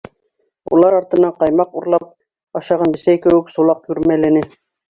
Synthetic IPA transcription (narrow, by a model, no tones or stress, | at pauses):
ṵlˠɑɾɑɾt̪ɤ̆nɑqɑjmɑquɾlˠɑp̚ | ɑʃɑʁɑnbɘ̆sæjkɘ̆wɘksulˠɑqjʉɾmælæ̆nɘ